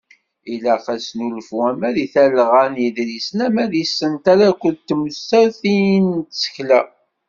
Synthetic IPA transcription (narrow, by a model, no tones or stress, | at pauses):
ilæqæsnulfuæmæðiθælʁænjiðɾisənæmæðisːənt̪aɾækʷːəlt̪ːməst̪æɾθijnt̪sə̥çlæ